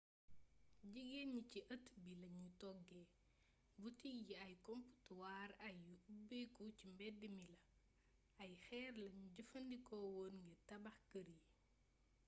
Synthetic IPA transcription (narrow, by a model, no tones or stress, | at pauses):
ɟiɡeɲuciʔɐtbilɐɲutɔɡɛ | butijiɐjkɔmpu̥tuwaːɾɐjuubekucimbɛdːimilɐ | ɐjxɛːrlɐɲuɟufɐndikɔːwɔːnŋɡitɐbɐxkəɾi